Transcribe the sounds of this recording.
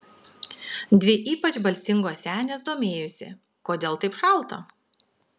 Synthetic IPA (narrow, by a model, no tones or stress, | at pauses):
d̪ʲʋʲɪʔiːpɐt͡ʃbɐlʲsʲɪŋɡoːsʲæːnʲeːs̬d̪oːmʲeːjʊsʲɪ̰ | koːd̪ʲeːlˠt̪ɐɪpʃɐˑlˠˑt̪ɐ